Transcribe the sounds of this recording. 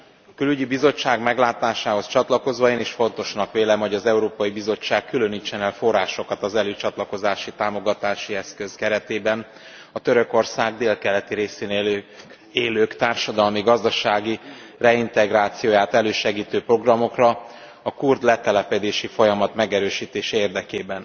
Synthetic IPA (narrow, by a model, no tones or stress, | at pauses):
kylyɟibizo̞t͡ʃːaːɡmɛɡlaːt̪aːʃaːɦo̞st͡ʃɒt̪lɒko̞zʋɒeːniʃfo̞n̪t̪o̞ʃnɒkʋeːlɛmho̞ɟɒzɛuɾoːpɒjibizo̞t͡ʃːaːkkːyløniːt͡ʃːɛnɛlfo̞rːaːʃo̞kɒt̪ɒzɛløːt͡ʃɒt̪lɒko̞zaːʃit̪aːmo̞ɡɒt̪aːʃiɛskø̞zkɛɾɛt̪eːbɛn | ɒt̪øɾø̞ko̞rsaːɡd̪eːlkɛlɛt̪iɾeːseːnel | eːløːkt̪aːrʃɒd̪ɒlmiɡɒzd̪ɒʃaːɡirɛint̪ɛɡraːt̪sijoːjaːt̪ɛløːʃɛɡiːt̪øːpro̞ɡrɒmo̞krɒ | ɒkurd̪lɛt̪ɛlɛpɛd̪eːʃifo̞jɒmɒt̪mɛɡɛɾøːʃiːt̪eːʃɛeːrd̪ɛkeːbɛn